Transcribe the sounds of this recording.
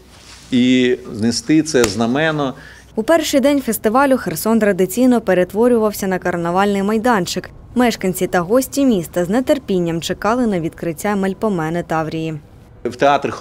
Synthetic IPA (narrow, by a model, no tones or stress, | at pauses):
iznɪst̪ɪt̪sɛznɐmɛnɔ | upɛrʃɪjd̪ɛnʲfest̪ɪʋɑlʲʊxersɔnt̪ɾɐd̪ɪt͡sʲijnɔpeɾe̞t̪ʋɔɾʲʊʋɐwsʲɐnɐkɐrnɐʋɑlʲnɪjmɐjd̪ɑnt͡ʃɪk | mɛʃkɐnʲt͡sʲit̪ɐɦɔsʲtʲimʲist̪ɐznet̪erpʲinʲːɐmt͡ʃekɑlˠɪnɐʋʲid̪kɾɪtʲːamelʲpɔmɛnɪt̪ɑwɾʲiji | wt̪eɑt̪ɾʲɪ